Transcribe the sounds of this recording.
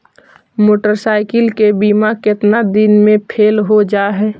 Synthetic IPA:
moːʈəɾsaːɪkɪlkebiːmakɪt̪nad̪ɪnmẽpʰeːlɦod͡ʒaːɦɛː

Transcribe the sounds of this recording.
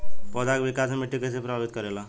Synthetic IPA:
pɔdakebikasemeʈːikəsepɾəbʱabit̪̚kəɾela

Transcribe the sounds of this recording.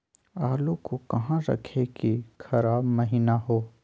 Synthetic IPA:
aːlokokɐɦãɾɐ̰kʰekixɐɾaːbmɐɦiːnaɦoː

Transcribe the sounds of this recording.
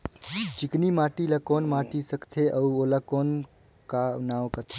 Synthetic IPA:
d͡ʒiknimaːʈilakoːnmaːʈisəkt̪ʰeʔəuolakoːn | kanaːwkət̪ʰe

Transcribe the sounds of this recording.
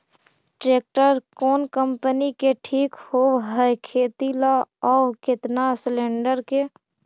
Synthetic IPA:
ʈɾeːk̚ʈəɾkɔːnkə̃mpənikeʈʰiːkhoːɦəkʰeːt̪ilaɔːkɪt̪naslẽːɳɖəɾke

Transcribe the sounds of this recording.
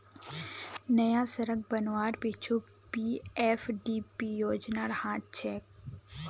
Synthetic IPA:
nɐjasɐɾək̚bɐnʋaːɾpeːt͡ʃʰo | piːeːfɖiːpijoːd͡ʒnaɾɐhãːt̪̚t͡ʃʰɛːk̚

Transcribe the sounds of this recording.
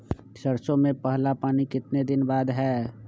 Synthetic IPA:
səɾsõmẽpəɦlapaːnikɪt̪ned̪ɪnbaːd̪ɦɛː

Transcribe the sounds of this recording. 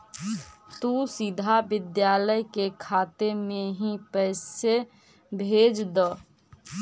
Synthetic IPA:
t̪usɪd̪ʱabɪd̪jaːləjkekʰaːt̪emẽɦĩpəse | bʱeːd͡ʒd̪ə

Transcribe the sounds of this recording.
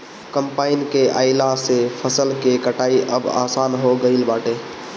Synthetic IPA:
kəmpaːɪnkea̰ːɪlasepʰəsəlkekəʈaːiʔəba̰ːsaːnɦoɡəɪlbaːʈe

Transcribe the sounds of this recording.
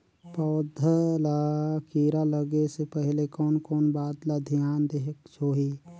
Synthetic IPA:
pɔːd̪ʱəlakiːɾaləɡesepəɦlekɔːnkɔːnbaːd̪lad̪ʱjaːnd̪eɦəksoːɦi

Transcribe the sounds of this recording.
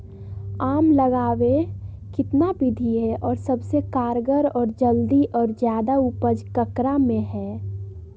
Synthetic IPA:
aːmləɡaːʋe | kɪt̪nabɪd̪ʱiɦɛʔɔːɾsəbsekaːɾɡəɾɔːɾd͡ʒəld̪iʔɔːɾd͡ʒjaːd̪aupəd͡ʒkəkɾamẽɦɛː

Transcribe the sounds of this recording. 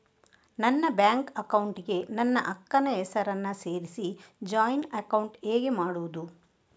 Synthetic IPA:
nɐnːɐbjaːŋkɐkɐwuɳʈiɡe̞nɐnːɐʔɐkːɐnɐɦɛsɐɾɐnːɐse̞ːɾisid͡ʒaːjnɐkɐwɳʈeːɡemaːɽuʋud̪u

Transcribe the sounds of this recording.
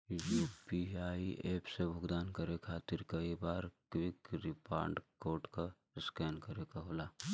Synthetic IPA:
juːpiaːiʔeːpʰsebʱʊɡd̪aːnkəɾekʰaːt̪ɪɾkɐibaːɾkwɪkɾɪpa̰ːɾɳɖkoːʈka | skɛːnkəɾekaɦoːlaː

